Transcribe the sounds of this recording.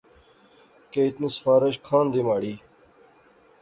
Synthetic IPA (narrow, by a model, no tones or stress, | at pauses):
keːɪt̪nisfaːɾəɕkʰaːnd̪imaːɽiː